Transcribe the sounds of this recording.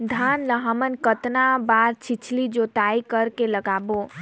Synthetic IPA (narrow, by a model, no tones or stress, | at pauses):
d̪ʱanləɦəmənkət̪nabaɾt͡ʃʰit͡ʃʰlid͡ʒot̪aikəɾkeləɡabo